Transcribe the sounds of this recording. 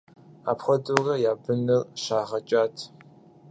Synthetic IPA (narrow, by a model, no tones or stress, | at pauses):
a̰ːpχʷɔdurɐjaːbɨnɨrɕaːʁɐt͡ʃʼaːtʰ